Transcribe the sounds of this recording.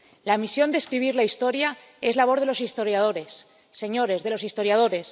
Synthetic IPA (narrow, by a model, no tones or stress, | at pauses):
lamisjo̞nd̪eskɾiβ̞iɾlaist̪o̞ɾja | e̞zlaβo̞ðe̞losist̪o̞ɾjað̞o̞ɾe̞sː | e̞ɲo̞ɾe̞zðe̞lo̞sist̪o̞ɾjað̞o̞ɾe̞s